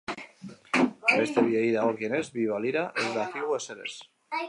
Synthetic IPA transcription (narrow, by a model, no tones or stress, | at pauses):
est̪eβjeiðaokjenezβiβaliɾaʔezðaθiɣweseɾḛs